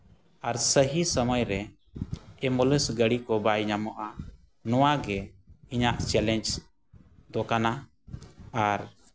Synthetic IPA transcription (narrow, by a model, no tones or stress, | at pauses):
aɾsəɦisəməjɾɛ | ɛmɔləsɡəɽikɔbajɲamɔʔa | nɔwaɡɛiɲaʔt͡ʃɛlɛɲd͡ʒ | d̪ɔkana | aɾ